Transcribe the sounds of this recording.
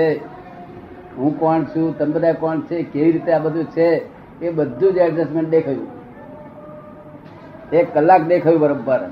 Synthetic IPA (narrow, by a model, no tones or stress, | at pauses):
e | ɦũkɔɳt͡ʃʰũt̪əmd̪ɾaekɔɳt͡ʃʰekeʋiɾit̪eabəd̪ʱũt͡ʃʰeː | bəd̪ʱːũd͡ʒeɛɖd͡ʒesʈmẽɳʈ̚ɗ̪ekʰajṵ̃ | ekːəlːak̚d̪ekʰajũbəɾobːəɾ